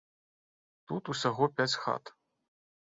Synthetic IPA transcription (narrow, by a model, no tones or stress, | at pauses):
t̪ut̪usʲaɣɔpʲæt͡sʲxa̰t̪